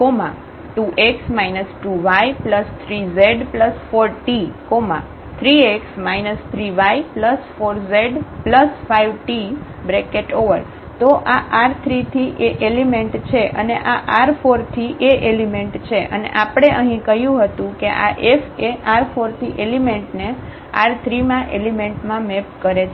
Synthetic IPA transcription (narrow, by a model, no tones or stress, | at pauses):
koma | ʈuʔeksmajnəsʈuʋajpləst̪ʰɾizeɖpləsfoɾʈikomã̰ | t̪ʰɾieksmajnəst̪ʰɾiʋajpləsfoɾzeɖpləsfaiʋʈi | bɾekeʈoʋəɾ | t̪oʔaʔaɾt̪ʰɾit̪ʰiʔeʔelimẽɳʈt͡ʃʰeʔə̰neʔaʔaɾfoɾt̪ʰiʔeʔelimeɳʈt͡ʃʰeʔə̰nḛʔapɽ̃eʔəɦĩkəɦjũɦət̪ũkeʔa̰ʔefeaɾfoɾt̪ʰiʔelimeɳʈne | a̰ɾt̪ʰɾimãʔelimeɳʈmãmepkəɾet͡ʃʰ